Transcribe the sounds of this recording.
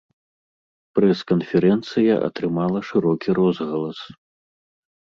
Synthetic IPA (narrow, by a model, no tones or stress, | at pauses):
pɾɛskɐnfʲɛɾɛnt̪sɨjɐʔɐ̰t̪ɾɨmalˠɐʂɨɾɔkʲiɾɔzɣɐlˠɐs